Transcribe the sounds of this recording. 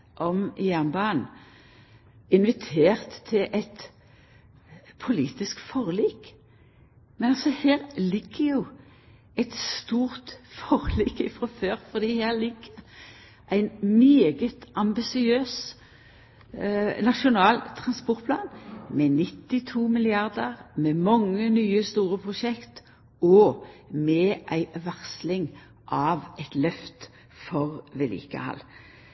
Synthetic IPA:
ʔɔmɪjæʁnbɑːn | ɪnʋɪt̪ʰeːʁt̪ʰːɪlʔɛt̪ | pʰʊliːt̪ɪskfɔʁliːk | mɛnɑlsɔheːʁlɪɡ̥ːəjuː | ɛt̪st̪uːʁt̪fɔʁliːkɪfʁɔføːʁfɔʁd̪iːhæːʁlɪɡ̥ːəʁ | ʔæɪnmeːɡət̪ʔɑmbɪsɪøːs | nɑʃʊnɑːlt̪ʰʁɑnspɔʁt̪pʰlɑːnmɛnɪt̪ːɪt̪ʰuːmɪlɪɑʁd̪əʁmɛmɑŋːənyːəst̪uːɾəpʰʁʊʃɛkt̪ | ɔmɛːʔæɪʋɑʁslɪŋ | ʔɑːʋɛt̪lœft̪ | fɔʁʋɛlḭːkə̰hɑ̰l

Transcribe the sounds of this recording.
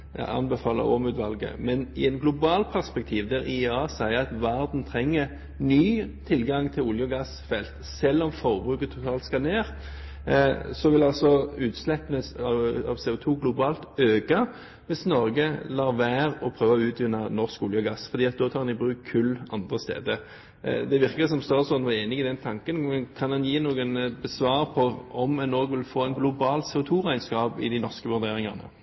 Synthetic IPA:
ɑ̰ɑ̰nbɛfɑːlə̰ɾɔ̰mʉːt̪ʋɑlɡə̰mɛnɪɛnɡlʊbɑːlpʰæʁspɛk̚t̪ʰiːʋd̪ɛʁɪɑːsæɪəɑt̪ʋæʁd̪n̩t̪ʰʁɛŋːə | nyːt̪ʰɪlɡɑŋt̪ʰɪlʊljʊɡɑsfɛlt̪sɛlːɔmfɔʁbʁʉːkət̪ʰːʊt̪ʰɑːlt̪skɑneːʁ | sɔʋɪlɑlsɔʉːt̪slɛpənəsɑɑ̰ʋseːʊt̪ʰuːɡlʊbɑːlt̪øːɡɑ | ʋɪsnɔɾɡəlɑːʁʋæːʁɔpʰɾøːʋɑɔʉːt̪ʰʋɪnːɑnɔʁskʊljəɡɑsːfɔɾd̪iːɑt̪̚d̪oːt̪ʰɑːʁɾnɪbʁʉːkkʰːʉlɑnd̪ʁəst̪ḛːd̪ə | d̪ɛʋɪʁkəsɔmst̪ɑːɾsɔnʋɑeːnɪɡɪd̪ɛnt̪ʰɑŋkənmɛnkʰɑnɑnjiːnuːɡənbəsʋɑːɾpʰɔɔmɛnoːɡʋɪlfoːæɪnɡlʊbɑːlsɛːʊt̪ʰuːʁæɪnskɑːpɪ̰d̪æɪnɔʁskəʋʉʁd̪eːʁɪŋɑnə̰

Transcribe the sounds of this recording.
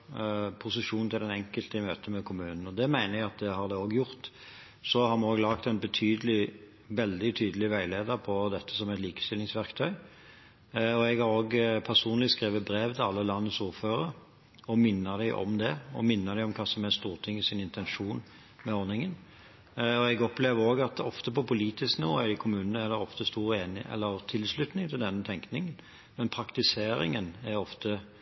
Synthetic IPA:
pʰʊsəʂuːnnt̪ʰɪlɛnɛŋkəlt̪əɪmøːt̪əmɛkʰʊmʉːnn̩ɔd̪ɛmæɪnəʁjæɡɑt̪̚d̪ɛhɑʁd̪ɛoːɡjʊʁt̪ | sɔhɑʁmɑnoːɡlɑk̚t̪ɛnbət̪ʰyːd̪əlɪ | ʋɛld̪ɪt̪ʰyːd̪əlɪʋæɪleːd̪əɾpʰɔd̪ɛt̪ːəsɔmɛt̪liːkə̥st̪ɪlɪŋsʋæʁkt̪ʰœʏ | ɔɛɡhɑɾoːɡpʰæʁsuːnəlɪskʁeːʋəbɾeːʋt̪ʰɛɑlːəlɑnːəsuːʁføːɾə | ɔmɪnːəd̪æɪʔɔ̰md̪ɛɔ̰mɪnːəd̪æɪɔmkʰɑːsɔmæst̪uːʁt̪ʰɪŋːɪsɪnɪnt̪ɛnʂuːn | mɛɔɾnɪŋən | ɔɛɡɔpleːʋəɾoːɡɑt̪ɔft̪əpɔpʊliːt̪ɪsknɪʋo̰ːɪɪkʰʊmʉːnənəæʁd̪ɛɔft̪əst̪uːʁeːnɪ̰ʔɛ̰lːəɾt̪ʰɪlslʉt̪nɪŋt̪ʰɪld̪ɛnːət̪ʰɛŋknɪŋən | mɛnpʰɾɑkt̪ɪseːɾɪ̰ŋənæɾɔft̪ʰə

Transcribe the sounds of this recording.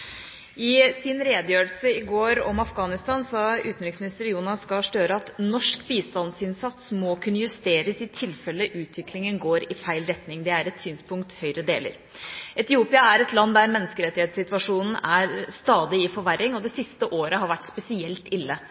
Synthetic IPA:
ɪsɪnɾeːd̪jøːəlsəɪɡoːɾɔmɑfɡɑːnɪst̪ɑːnsɑʉːt̪nɾɪŋsmɪnɪst̪əɾjuːnɑsːkɑʂʈ̪øːɾəɑt̪nɔʂkbiːst̪ɑnsɪnsɑt̪smɔkʰʉnːəjʉst̪eːɾəsɪt̪ʰɪlfɛlːəʔʉːt̪ʰʋɪklɪŋənɡoːɾɪfæɪlɾɛt̪nɪŋd̪ɛæɾɛt̪syːnspʰʊŋkt̪hœʏɾəd̪eːlə̰ɾ | ʔɛt̪ɪuːpɪɑæɾɛt̪lɑnd̪æɾmɛnːəskəɾɛt̪ːɪheːt̪sɪt̪ʋɑʂuːnn̩æɾst̪ɑːd̪ɪɪfɔɾʋæɾːɪŋɔd̪ɛsɪst̪əʔoːɾəɦɑɾʋæʈːspɛsɪɛlt̪ɪlːə

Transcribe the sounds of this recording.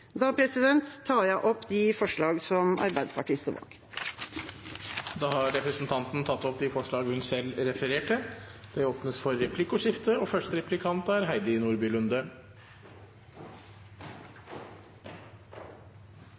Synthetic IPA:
d̪ɑːpʰɾɛsɪd̪ɛnt̪ʰːɑːjæɪʔɔpːd̪ɪfɔʂɭɑːɡsɔmɑ̰ɾbæɪd̪spʰɑʈʰɪːst̪əʋɑ̰ːk | d̪ɑːhɑɾɾɛpɾəsnt̪ʰɑnt̪n̩t̪ʰɑt̪ːɔp̚d̪ifɔʂɭɑːɡhʉnsɛlɾɛfəɾeːʈʰəd̪̥ɛoːpnəsfɔɾːɛpʰlɪkʊʂɪft̪əɔfœʂtəɾɛplɪkʰɑnt̪əæɾɦæɪd̪ɪɪnuːɾbʏlʉnd̪ə

